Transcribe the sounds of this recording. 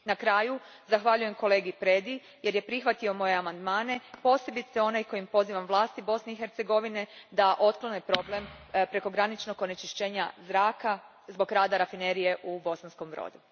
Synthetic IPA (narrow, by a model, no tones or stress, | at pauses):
nakɾaːju | zaxʋaʎuje̞mko̞le̞ːɡipɾe̞d̪i | je̞ɾje̞pɾixʋat̪io̞mo̞je̞amand̪maːne̞po̞ːse̞bit̪seo̞najko̞jimpo̞ziːʋamʋlˠaːst̪ibo̞sne̞ixeɾt̪se̞ɡo̞ʋine̞d̪aʔo̞t̪klo̞nepɾo̞blempɾe̞ko̞ɡɾanit͡ʃno̞ɡo̞net͡ʃiʃt͡ɕeːɲazɾaːka | zbo̞ɡɾaːd̪aɾafine̞ɾije̞ʔubo̞sansko̞mʋɾo̰ːd̪u